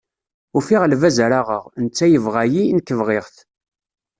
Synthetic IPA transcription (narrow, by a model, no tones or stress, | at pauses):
ʊfiʁlvæzɾaʁə̰ʁnt͡sːæjəvʁæjinəkːəvʁɪʁθ